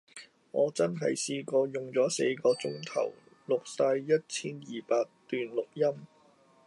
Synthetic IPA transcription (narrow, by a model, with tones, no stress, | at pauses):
ŋɔː˨˧t͡sɐ˥nɦɐ̰˨jsiː˧kɔː˧jʊ˨˩ŋt͡sɔː˨˥se˧jkɔː˧t͡sʊ˥ŋt̪ʰɐ̰˨˩w | lʊ˨k̚saː˧jjɐ˥t̚t͡sʰiː˥njiː˨paː˧k̚t̪yː˨nlʊ˨k̚jɐ˥m